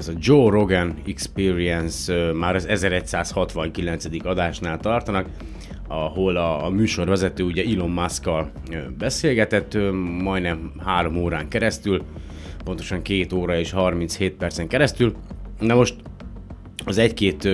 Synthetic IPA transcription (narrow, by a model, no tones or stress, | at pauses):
ɛzɒd͡ʒoːro̞ɡɛnikspiːɾiɛnsmaːɾɒzɛzɛɾɛcsaːshɒt̪ʋɒŋkilɛnt̪sɛd̪ikɒd̪aːʃnaːlt̪ɒrt̪ɒnɒk | ɒɦo̞lɒmyːʃo̞rvɛzɛt̪øːuɟɛilo̞mːaskɒl | bɛseːlɡɛt̪ɛt̪ːmɒjnɛmhaːɾo̞moːɾaːŋkɛɾɛst̪yl | pont̪o̞ʃɒŋkeːt̪oːɾɒeːʃhɒrmint̪sheːt̪̚pɛrt̪sɛŋkɛɾɛst̪ylnɛmo̞ʃt̪ | ɒzɛckeːt̪